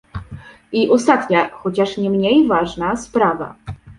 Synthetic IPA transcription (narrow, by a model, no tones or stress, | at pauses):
iʔɔst̪at̪ɲaxɔt͡ɕaʂɲɛmɲejvaʐnaspɾava̰